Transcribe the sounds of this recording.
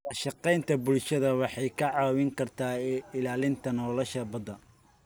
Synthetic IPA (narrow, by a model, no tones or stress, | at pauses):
ɐʃɑqɛjnt̪ʰɐbʊlʃɐðɐwɑħɑjkʰɐʕɑːwɪŋkʰɐrt̪ʰaːɪlaːlɪnt̪ʰɐnɔːlɔʃɐbɐd̪ɐ